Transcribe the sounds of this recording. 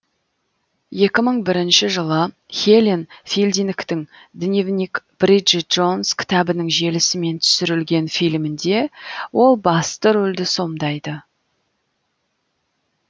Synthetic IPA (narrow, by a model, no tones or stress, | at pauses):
je̞kʲɪməɴbɪɾɪnʃɪʒəlˠə | xʲelʲinfilʲd̪inkt̪ɪŋd̪ɪnʲevnʲikb̥riʒɪt̪̚ʒ̥o̞nskʲʰɪ̥t̪ɑbɪnɪŋʒe̞lɪsɪme̞nt̪ʰʏ̥sɪɾɪlɡʲe̞nfijlmɪnd̪e̞wo̞lˠbɑst̪əɾɵld̪ɪso̞md̪ɑjd̪ə